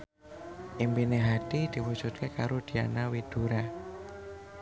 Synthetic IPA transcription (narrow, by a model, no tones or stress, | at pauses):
ʔimpineɦat̪id̪̥i̤wud̥ʒ̥ṳt̪̚kekaɾod̪̥i̤a̰nawid̪̥ṳɾa